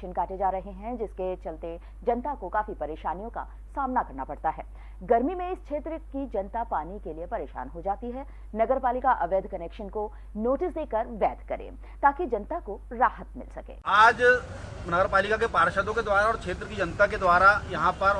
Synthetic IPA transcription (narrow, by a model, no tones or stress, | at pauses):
ʃənkaːʈed͡ʒaːɾɐɦeɦɛ̃d͡ʒɪsket͡ʃɐlt̪e | d͡ʒɐnt̪akokaːfipɐɾeːʃaːnijõka̰ | saːmnakɐɾnapɐɽt̪aɦɛ̰ː | ɡɐɾmimẽɪskʃʰeːt̪ɾəkid͡ʒɐnt̪apaːnikeliepɐɾeːʃa̰ːnɦod͡ʒaːt̪iɦɛː | nɐɡəɾpaːlɪkaʔɐʋeːd̪ʱkɐnɛːkʃənko | noːʈɪsd̪eːkɐɾʋɛːd̪ʱkɐɾḛ̃ː | t̪aːkid͡ʒɐnt̪akoɾaːɦət̪mɪ̰lsɐkḛːaːd͡ʒnɐɡəɾpaːlɪkakepaːɾʃəd̪õked̪waːɾaɔːɾkʰeːt̪ɾəkid͡ʒɐnt̪aked̪waːɾajɐɦãpɐ